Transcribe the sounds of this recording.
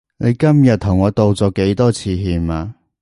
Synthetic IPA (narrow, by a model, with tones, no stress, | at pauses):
ne˨˧jkɐ˥mjɐ˨t̚t̪ʰʊ˨˩ŋɔː˨˧t̪o˨wt͡sɔː˨˧ke˨˥jt̪ɔː˥t͡sʰiː˧ɦiː˧maː˧